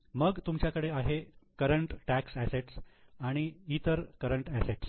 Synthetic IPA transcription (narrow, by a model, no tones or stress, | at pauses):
məɡt̪umt͡ɕjakəɽeaɦekəɾəɳʈʈæksæseʈsaɽ̃iit̪əɾkəɾəɳʈæseʈs